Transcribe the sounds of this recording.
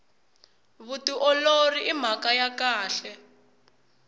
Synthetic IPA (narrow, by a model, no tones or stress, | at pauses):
βutiʔɔloriʔim̤akajakaːɬɛ